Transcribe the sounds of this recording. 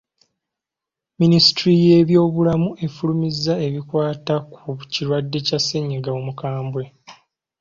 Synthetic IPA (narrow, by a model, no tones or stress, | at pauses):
minisi̥tɾije̞ːβjo̞ːβulamue̞fulumizːae̞βikwaːtakuciɾwadːe̞casːeɲːiɡaomukaːmbwe̞